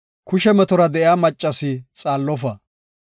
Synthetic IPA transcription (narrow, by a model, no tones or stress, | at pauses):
kʊʃɛmɛt̪ɔɾɐd̪ɛʔjaːmɐt͡ʃʼːɐsɪt͡sʼaːlːɔfɐ